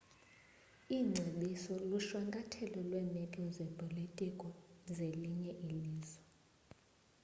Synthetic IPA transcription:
iŋ͡ǀʱeɓisɔluʃwaŋkʼatʰɛlɔlwɛːmɛkʼɔzɛpʼolitʼikʼɔzeliɲɛʔiliːzɔ

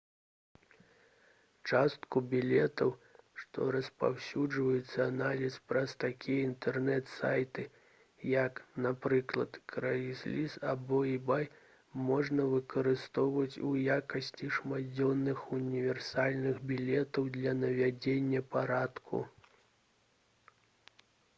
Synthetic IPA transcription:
t͡ʂast̪kubʲilʲɛt̪ɐwʂt̪ɔ̰ɾɐspa̰wsʲud͡ʐvɐjut̪sːɐanalʲispɾɐst̪akʲijɐint̪ɛrnɛt̪sajt̪ɨ | jɐknapɾɨklˠɐt̪kɾajisʲlʲisabɔibaj | mɔʐnɐvɨkɐɾɨst̪ɔwvɐt͡sʲujakɐsʲt͡sʲiʂmad͡zʲɔnːɨxunʲivʲɛrsalʲnɨɣbʲilʲɛt̪ɐwd̪lʲɐnɐvʲad͡zʲenʲːɐpaɾat̪kʰṵ

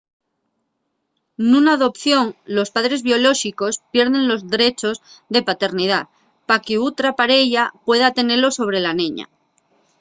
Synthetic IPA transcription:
nũnaːðo̞pθjo̞ŋlo̞spaðɾe̞zβjo̞lo̞ʃiko̞spje̞ɾðẽ̞nlo̞zðeɾe̞t͡ʃo̞zðe̞pat̪e̞ɾnið̞a | pakeut̪ɾapaɾe̞ʝapwe̞ðat̪e̞ne̞lo̞so̞β̞ɾe̞lanẽɲa̰

